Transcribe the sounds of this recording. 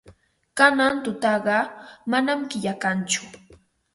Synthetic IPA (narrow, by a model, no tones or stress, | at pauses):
kanant̪ʊt̪ɑɢɑmanamkɪʎakant͡ʃʊ̥